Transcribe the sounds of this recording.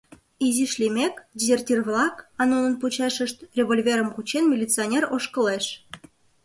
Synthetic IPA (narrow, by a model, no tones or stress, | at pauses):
iziʃlʲimʲekdʲizʲertʲirβlɑkɑnonənput͡ɕɑʃəʃt̪rʲeβolʲvʲeɾəmkut͡ɕenmʲilʲit͡sɨonʲeroʃkəleʃ